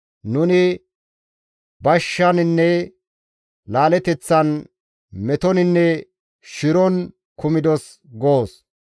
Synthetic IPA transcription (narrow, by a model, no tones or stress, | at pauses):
nʊnɪ | bɐʃːɐnɪnːɛ | laːlɛt̪ɛt͡sːɐn | mɛt̪ɔnɪnːɛ | ʃɪɾɔn | kʊmɪd̪ɔs | ɡoːs